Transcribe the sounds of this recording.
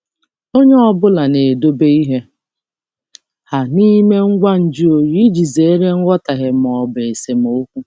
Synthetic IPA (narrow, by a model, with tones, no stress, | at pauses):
o˦ɲe˦ɔ˨bʊ˦la˨ne˨do˦be˦i˦ɦe˦ | ha˨ni˦me˦ŋ̩˦ɡʷa˦n̩˨d͡ʒi˦o˨ɾi˦d͡ʒi˨ze˨e˦ɾe˦ŋ̩˦ɡʷɔ˦ta˨ɦɪ˨m˨ɔ˨be˨e˨se˨mo˨o˦kʷu˦